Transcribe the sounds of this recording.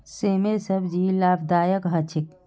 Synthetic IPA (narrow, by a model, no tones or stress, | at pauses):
seːmesəbd͡ʒiːlaːbd̪aːjəkɦɐt͡ʃʰɪk̚